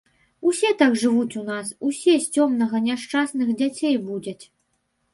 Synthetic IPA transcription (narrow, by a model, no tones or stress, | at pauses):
usʲɛt̪aɡʐɨvut͡sʲunasusʲɛsʲt͡sʲɔmnɐɣɐnʲaʂt͡ʂasnɨxd͡zʲat͡sʲejbud͡zʲɐt͡sʲ